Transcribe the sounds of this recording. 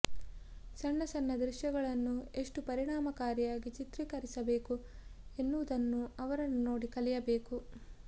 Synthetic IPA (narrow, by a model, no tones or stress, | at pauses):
sɐɳːɐsɐnːɐd̪ɾiʃjɐɡɐɭɐnːue̞ʂʈupɐɾiɳaːmɐkaːɾjaːɡit͡ʃit̪ɾiːkɐɾisɐbe̞ːkue̞nːuʋud̪ɐnːuɐʋɐɾɐnːuno̞ːɽikɐlijɐbe̞ːku